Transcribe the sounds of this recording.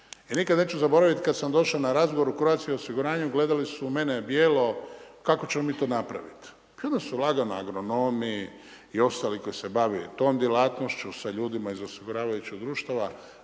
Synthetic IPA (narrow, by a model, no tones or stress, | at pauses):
inikad̪ne̞ːt͡ɕuzabo̞ɾaʋit̪kad̪samd̪o̞ʃanaɾazɡoʋoɾukɾoat̪skiosiɡuɾaːɲuɡle̞d̪alisume̞nebjeːlo̞kako̞t͡ɕemomiːt̪oːnapɾa̰ʋit̪ | ijod̪asulˠaɡanaa̰ɡɾo̞no̞miː | o̞st̪aːliko̞jise̞baʋit̪o̞ːmd̪jelat̪nost͡ɕusaʎuːd̪imaizosiɡuɾaːʋajut͡ɕid̪ɾuːʃt̪aʋa